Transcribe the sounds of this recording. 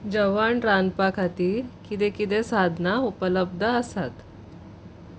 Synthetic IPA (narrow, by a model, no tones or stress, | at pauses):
d͡ʑəʋaɳɾanpakʰat̪iːkit̪ekit̪esad̪ʱnaupələb̚d̪ʱəəsat̪